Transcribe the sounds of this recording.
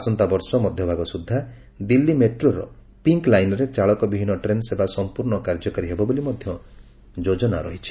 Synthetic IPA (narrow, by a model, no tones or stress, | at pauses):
asɔnt̪abɔɾsɔmɔd̪ʱjɔbʱaɡɔsud̪ʱːa | d̪ilːimeʈɾoɾɔ̰ | piŋklajnɔɾet͡ʃaɭɔkɔbibʱinːɔʈɾensebasɔmpuɾɳɔkaɾd͡ʒɔkaɾiɦebɔbolimɔd̪ʱjɔ | d͡ʒod͡ʒɔnaɾɔɦit͡ʃʰi̥